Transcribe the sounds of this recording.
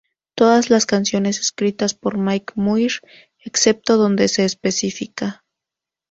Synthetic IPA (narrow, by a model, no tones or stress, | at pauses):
t̪o̞ðazlaskansjo̞ne̞se̥skɾit̪aspo̞ɾmajkmujɾ | ekse̞p̚t̪o̞ðo̞nd̪e̞se̞ːspe̞sifika